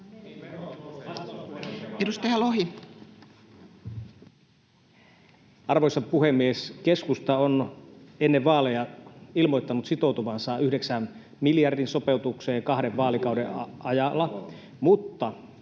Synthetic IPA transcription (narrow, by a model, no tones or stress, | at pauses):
edust̪ɑjɑloɦi | ɑrʋojsɑpuɦe̞mːieske̞skust̪ɑonenːeʋːʋɑːlejɑilmo̞jt̪ːɑnut̪sit̪o̞wt̪uʋɑnsɑʔyhdeksæm | miljɑrdinso̞pe̞ut̪ukse̞ːŋkɑɦdeʋʋɑːlikɑwdeɑjɑlːɑ | mut̪ːɑ